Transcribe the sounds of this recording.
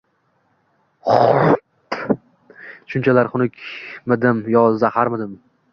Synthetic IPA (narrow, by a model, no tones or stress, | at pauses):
χɾ | ʃʊnt͡ʃʰalaɾχʊnɪkʲmɪd̪ɪmjɒzahaɾmɪd̪ɪm